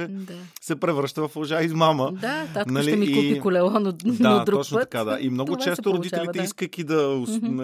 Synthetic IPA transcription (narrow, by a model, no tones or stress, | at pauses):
ɛsɛpɾɛvɾɤʃt̪əvɐflˠoʒaizmaməd̪aanɐliɛmikupikʊlɛlˠɔnnaotd̪ɾuɔt͡ʃnott̪ɐ̥kaad̪a̰ʔimnɔɡot͡ʃɛst̪oɾod̪it̪ɛlit̪ɛiskəkid̪ɐʊn